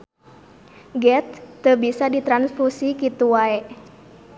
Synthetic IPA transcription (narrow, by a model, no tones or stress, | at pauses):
ɡɛt̪ːəbisadit̪ɾansfusikit̪uwaɛʔ